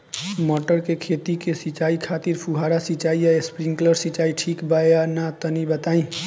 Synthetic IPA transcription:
mɔʈəɾkekʰet̪ikesit͡ʃaikʰat̪iɾpʰuɦaɾasit͡ʃaijaespɾiŋɡkləɾsit͡ʃaiʈʰikbaanat̪ənibət̪aĩ

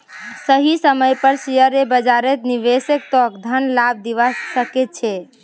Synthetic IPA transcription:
səɦisəməjpəɾsijəɾebəd͡ʒaɾet̪niʋesek̚t̪ɔkd̪ʱənlab̚d̪iʋasəket̪̚t͡ʃʰɛ

